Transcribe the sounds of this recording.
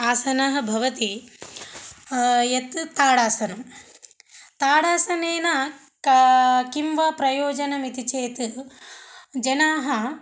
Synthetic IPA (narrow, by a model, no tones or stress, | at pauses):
aːsɐnɐɦɐ̆bʱɐʋɐt̪i | jɐt̪t̪aːɽaːsɐnɐm | t̪aːɽaːsɐneːnɐ | kimʋɐpɾɐjoːd͡ʒɐnɐmit̪it͡ʃeːt̪ | d͡ʒɐnaːɦɐ